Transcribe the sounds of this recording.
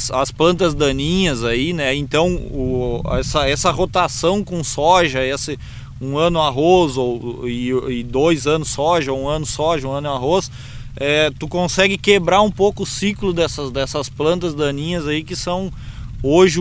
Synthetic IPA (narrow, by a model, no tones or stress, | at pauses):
sɐsplɐ̃nt̪ɐzd̪ɐ̃nĩɲɐzainɛẽnt̪ɐ̃w̃ʊɛsɐɛsɐɦot̪asɐ̃w̃kõsɔʒɐesɪ | ũɐ̃nʊaɦozowɪɪd̪ojzɐ̃nʊsːɔʒɐoũɐ̃nʊsɔʒɐũɐ̃nʊaɦos | ɛt̪ukõsɛɡɪkebɾaɾũpowkʊːsiklʊd̪ɛsɐzd̪ɛsɐsplɐ̃nt̪ɐzd̪ɐ̃nĩɲɐzaikɪsɐ̃w̃oʒɪ